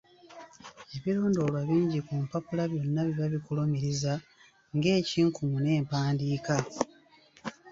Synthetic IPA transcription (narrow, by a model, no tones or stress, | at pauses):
e̞βiɾo̞ːndo̞lwaβiːɲɟikumpapulaβjo̞nːaβiβaβikulo̞miɾiza | ŋɡe̞ːciːŋkumune̞ːmpaːndiːka